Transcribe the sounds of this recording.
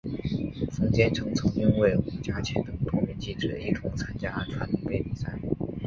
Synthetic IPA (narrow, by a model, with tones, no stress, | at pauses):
fɤ˧˥ŋt͡ɕjɛ˥nʈ͡ʂʰɤ˧˥ŋt͡sʰɤ˧˥ŋy˥nwe˥˩ɪu˧˥t͡ɕja˥t͡ɕʰɛ˧˥nt̪ɤ˨˩ŋt̪ʰo˥ŋmjɛ˧˥nt͡ɕi˥˩ʈ͡ʂɻ̩˨˩i˥˩t̪ʰʊ˧˥ŋt͡sʰa˥nt͡ɕja˥˩ʈ͡ʂʰwa˧˥nli˨˩pe˥˩ɪpi˨˩sa̰˥˩ɪ